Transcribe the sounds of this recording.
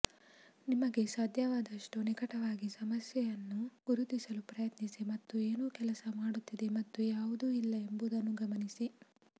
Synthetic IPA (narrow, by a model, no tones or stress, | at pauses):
nimɐɡe̞saːd̪ʱjɐʋaːd̪ɐʂʈunikɐʈɐʋaːɡisɐmɐsjɛjɐnːuɡ̥uɾud̪isɐlupɾɐjɐt̪nisimɐt̪ːueːnuːkɛlɐsɐmaːɽut̪ːid̪e̞mɐt̪ːujaːʋud̪uːilːɐe̞mbud̪ɐnːuɡɐmɐnisi